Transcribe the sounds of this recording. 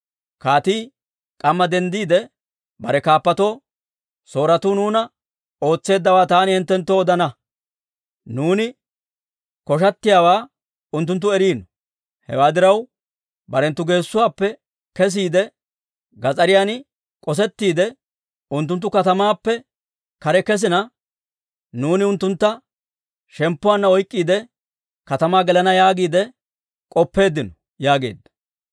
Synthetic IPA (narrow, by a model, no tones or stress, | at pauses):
kaːt̪iː | kʼɐmːɐd̪ɛnd̪iːd̪ɛ | bɐɾɛkaːpːɐt̪o̞ː | so̞ːɾɐt̪uːnuːnɐ | o̞ːt͡sːe̞ːd̪ːɐwaːt̪aːnɪhɪnt̪ːɛnt̪ːoɔd̪ɐnɐ | nuːnɪ | kɔʃ̬ɐt̪ːɪjaːwaː | ʊnt̪̬ːʊnt̪ːʊɛɾiːnɔ | hɛ̰waːd̪ɪɾɐw | bɐɾɛnt̪ːʊɡe̞ːsːʊwaːpːɛ | kɛs̬iːd̪ɛ | ɡɐt͡sʼɐɾɪjaːnɪ | kʼɔs̬ɛt̪ːiːd̪ɛ | ʊnt̪ːʊnt̪ːʊkɐt̪ɐmaːpːɛ | kɐɾɛkɛs̬ɪnɐ | nuːnɪʊnt̪ːʊnt̪ːɐ | ʃɛmpːʊwanːɐɔjkʼːiːd̪ɛ | kɐt̪ɐmaːɡɛlɐnɐjaːɡiːd̪ɛ | kʼɔpːe̞ːd̪ːɪnɔ̥ | jaːɡe̞̰ːd̪ːɐ̥